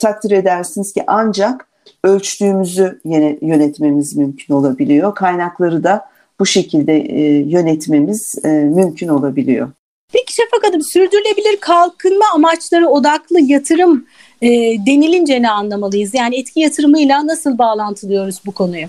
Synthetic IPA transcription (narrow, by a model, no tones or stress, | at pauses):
t̪ʰak̚t̪ʰiɾe̞d̪æɾsiniz̥ciʔand͡ʒak | ølʲt͡ʃylyːmyzyjeɛjø̞nɛt̪me̞mizmymcʰyno̞lˠabilʲijo̞kʰajnaklˠaɾɯd̪a | b̥uʃe̞cʰilʲd̪ɛjø̞nɛt̪me̞miz̥mymcʰyno̞lˠabilʲijo̰ | pʰeci̥ʃafakad̪ɯmsyɾd̪yɾylʲe̞bilʲiɾkʰalˠkʰɯnmaːmat͡ʃlˠaɾɯo̞d̪aklˠɯjat̪ʰɯɾɯm | ɛːd̪e̞nilʲind͡ʒenɛːnlˠamalˠɯjɯzjaːniɛt̪cʰijat̪ʰɯɾɯmɯjlʲˠanasɯlˠbaːlˠant̪ʰɯlˠɯjo̞ɾuz̥bukʰo̞nujʊ